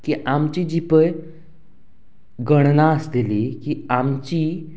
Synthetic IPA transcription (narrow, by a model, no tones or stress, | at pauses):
kiʔamt͡ɕid͡ʑipəj | ɡəɽ̃nasd̪ilikiamt͡ɕi